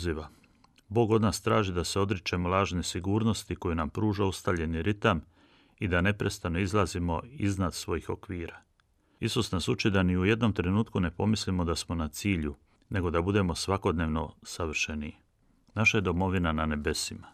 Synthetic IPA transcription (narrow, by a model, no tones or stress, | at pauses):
ziʋa | bo̞ːɡo̞d̪naːst̪ɾaːʒid̪ase̞o̞d̪ɾit͡ʃe̞molˠaːʒnesiɡuːɾno̞st̪ikojunampɾuːʒaust̪aʋʎe̞niɾit̪am | id̪ane̞pɾe̞st̪ano̞izlˠazimo̞iznad̪sʋo̞jixo̞kʋiːɾa | isusnasut͡ʃid̪aniuje̞d̪no̞mt̪ɾe̞nuːt̪kune̞po̞mislimo̞d̪asmo̞nat̪siːʎu | ne̞ɡo̞d̪abud̪e̞mo̞sʋako̞d̪ne̞ːʋno̞saʋr̩ʃeni | naʃaje̞d̪o̞mo̞ʋinanane̞be̞sima